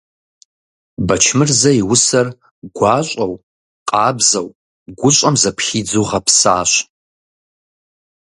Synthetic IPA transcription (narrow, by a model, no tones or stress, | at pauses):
bɐt͡ʃʰmɨrzɐiwʊsɐr | ɡʷɑːɕʷʼɐw | qʼɑːbzɐw | ɡʷʊɕʼɐmzɐpʰχiːd͡zuʁɐpʰsaːɕ